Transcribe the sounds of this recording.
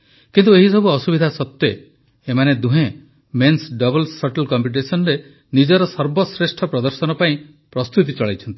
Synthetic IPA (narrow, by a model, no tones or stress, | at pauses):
kint̪ueɦisɔbuɔsubid̪ʱasɔt̪jɔː | maned̪uɦẽ | mensɖɔbɔlsɔʈelkɔmpiʈ̬esɔnɾe | nid͡ʒɔɾɔsɔɾbɔsɾesʈʰɔpɾɔd̪ɔɾsɔnɔpaĩ | pɾɔst̪ut̪̬it͡ʃɔɭajt͡ʃʰɔnt̪i̥